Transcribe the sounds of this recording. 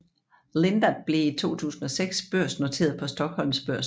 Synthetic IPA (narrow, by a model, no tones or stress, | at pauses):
le̝nd̥ɐd̥̚b̥le̝it͡sʰo̝̰ːt͡sʰṵːsn̩ɒ̽seɡ̥sb̥øɐ̰sno̝t͡sʰe̝̰ːɐðˠpʰɒ̽sd̥ɒ̽ɡ̥hɒ̽l̰msb̥ɶɐ̰s